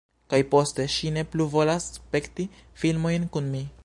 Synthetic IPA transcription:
kajpo̞ste̞ʃine̞pluvo̞laspe̞ktifilmo̞jnkunmi

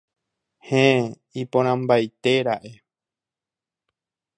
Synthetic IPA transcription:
hẽ | ipõɾ̃ãmbajt̪e̞ɾaʔe

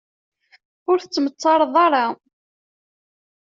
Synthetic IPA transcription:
ʊɾθə̥t͡sːmət͡sˤːɑɾˤðˤɑɾˤɑ

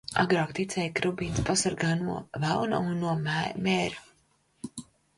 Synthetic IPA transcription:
a̰ɡɾɑːkt̪it̪sʲɛjkɾubiːnspasaɾɡaːnuɔvæwna̰unːuɔmmɛːɾu

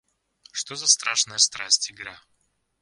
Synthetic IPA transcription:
ʂt̪ozɐst̪ɾaʂnəjəst̪ɾasʲtʲɪɡɾa

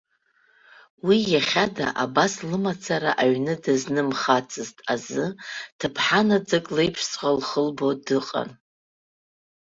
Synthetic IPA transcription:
wijaχʲada̰ʔabaslɨmat͡sʰaɾaʔaɥnɨdɨznɨmχat͡sʰʼɨztʼazɨtʰɨpʰħanad͡zɨkʼlejpʰʂsʼʁʷalχəlbo̞dɨqʼa̰n

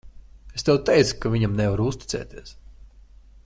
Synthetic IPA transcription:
est̪ɛwt̪ɛjt̪su̥kavʲiɲamnɛvaɾuust̪ʲi̥t̪sɛ̰ːt̪iɛs

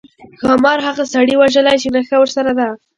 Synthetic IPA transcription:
xɑmɑɾɦaɣasaɽiwaʒəlajt͡ʃenaxawəɾsaɾad̪a

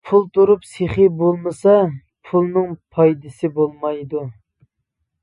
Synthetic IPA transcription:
pʰulˠt̪ʰuɾupseχɪbolˠmɨsɑ | pʰulˠnɨŋpʰɑjd̪ɨsɪbolˠmɑjd̪u

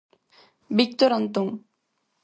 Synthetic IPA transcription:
bik̚t̪oɾɔnt̪uŋ

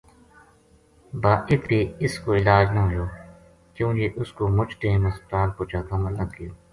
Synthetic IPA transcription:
baːʔɪkɾeːɪskoːɪlaːd͡ʒnaɦʊjoː | kjũːd͡ʒeːʔʊskoːmʊd͡ʒt̪ẽːnəspət̪aːlpoːt͡ʃaːk̪əməlːəkiː

